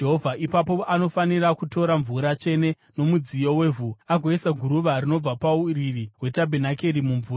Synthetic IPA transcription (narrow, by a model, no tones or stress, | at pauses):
d͡ʒeɦovʱaʔipapo̞ʔano̞fanirakuto̞ɾaɱvuɾat͡ʃe̞ne̞ | no̞mud͡zijo̞wevʱuaɡʱoesaɡʱuɾuʋarino̞b͡vapauririɦwe̞tabʱenakeɾimuɱvuːɾa